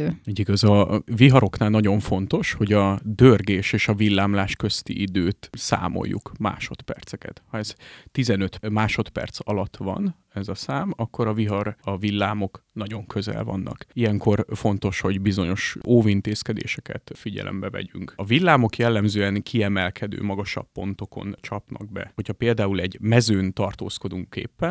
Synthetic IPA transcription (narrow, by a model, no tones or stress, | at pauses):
ɟiɡɒzɒviɦɒɾo̞knaːlnɒɟo̞ɱfo̞nt̪o̞ʃho̞ɟɒd̪ørɡeːʃeːʃɒvilːaːmlaːʃkø̞st̪ḭʔid̪øːt̪sa̰ːmo̰jːṵkma̰ːʃo̞t̪pɛrt̪sɛkɛ̰t̪hɒɛzt̪izɛnø̞t̪maːʃo̞t̪pɛ̰rt̪sɒlɒt̪ːʋɒ̰n | ɛzɒsaːmɒkːo̞ɾɒviɦɒrɒvilːaːmo̞knɒɟo̞ŋkʰøzɛ̰lvɒ̰nːɒ̰kijɛŋko̞rfo̞nt̪o̞ʃho̞ɟbizo̞ɲo̞ʃoːvint̪eːskɛd̪ḛːʃɛkɛ̰t̪fiɟɛ̰lʔɛ̰mbɛvɛ̰ɟyŋkɒvilːaːmo̞kjɛlːɛmzøːɛŋkʰiɛmɛlkʰɛd̪ø̰ːmɒɡɒʃɒ̰pːo̞n̪t̪o̞ko̞̰nt͡ʃɒpnɒ̰ɡ̚bɛ̰ho̞chɒpeːld̪aːulɛɟmɛzøːnt̪ɒrt̪oːsko̞d̪uŋkḛːpːɛn